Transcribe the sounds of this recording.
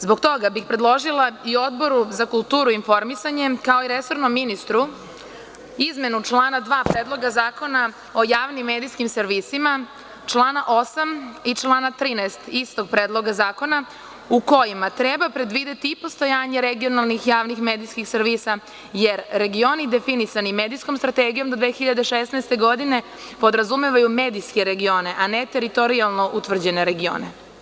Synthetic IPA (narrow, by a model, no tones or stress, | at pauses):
zboɡt̪o̞ɡabixpɾed̪lˠo̞ʒilˠaio̞d̪bo̞ɾuzakulˠt̪uːɾuinfo̞ɾmisaɲe̞kao̞iɾeso̞ɾnomːinist̪ɾu | izme̞nut͡ʃlˠaːnad̪ʋaːpɾed̪lˠo̞ɡazaːko̞na | o̞jaːʋnimːeːd̪ijskimseɾʋisima | t͡ʃlˠaːnaʔo̞samit͡ʃlˠaːnat̪ɾiːnaest̪ist̪o̞ɡ̚pɾeːd̪lˠoɡazaːko̞na | uko̞jimat̪ɾebapɾe̞d̪ʋid̪e̞t̪ipo̞st̪ojaːɲeɾeɡio̞nalˠnixjaːʋnixmeːd̪ijskixseɾʋisa | jeɾːe̞ɡio̞nid̪e̞finisanimed̪ijsko̞mst̪ɾat̪eːɡijo̞md̪od̪ʋexiʎad̪eʃesnaest̪eɡo̞d̪ine̞ | po̞d̪ɾazumeʋajumeːd̪iske̞ɾeɡio̞ːne̞ʔanet̪e̞ɾit̪oɾialˠno̞ʔut̪ʋr̩d͡ʑe̞ne̞ɾe̞ɡio̰ːnḛ